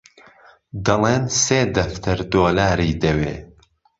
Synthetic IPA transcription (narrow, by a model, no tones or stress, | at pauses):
d̪ɐleːnseːd̪ɐft̪ʰɨɾd̪oːlaːɾiːd̪ɐwḛː